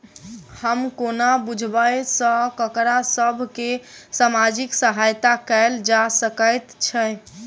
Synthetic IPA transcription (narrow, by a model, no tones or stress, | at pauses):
həmkonabud͡ʒʱbəjsə̃kəkɾasəbʱkesamad͡ʒiksəɦajt̪akəɪld͡ʒasəkəjt̪t͡ʃʰɛ